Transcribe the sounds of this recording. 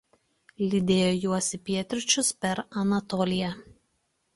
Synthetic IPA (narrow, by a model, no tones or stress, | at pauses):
lʲɪd̪ʲeːjoːjuɔsʲɪpʲiɛt̪ʲɾʲʊt͡ʃʲʊspʲɛɾɐnɐt̪ɔːlʲɪjæ